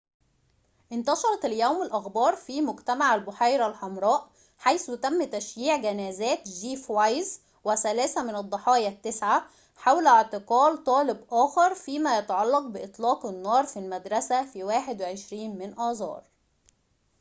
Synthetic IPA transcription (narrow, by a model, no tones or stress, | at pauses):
ʔɪnt̪ɑʃɑɾˤɑt̪æljæwmɪlʔɑxbɑːɾˤfiːmʊɡt̪æmaʕælbʊħajɾælħɑmɾˤɑːʔ | ħajsut̪æmːt̪æʃjiːʕɡænæːzæːt̪d͡ʒiːfwajz | wɪsælæːsæmɪnɑd̪ˤːɑħɑːjɑt̪ːesʕa | ħawlʕt̪ɪqɑːlt̪ˤɑːlɪbʔæːxɑɾˤfiːmæjɑt̪ɑʕɑlːɑq̚bɪʔɪt̪ˤlɑːqɪnːɑːɾˤfilmæd̪ɾˤɑsæfiwaːħed̪weʕeʃɾiːnmɪnʔɑːzˤɑ̰ːɾˤ